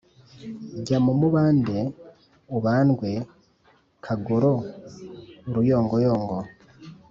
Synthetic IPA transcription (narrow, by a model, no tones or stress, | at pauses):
ɟamumuβaːnde | uβaːnɡwe | kʰaɡoɾo | uɾujo̞ːŋɡojoːŋɡo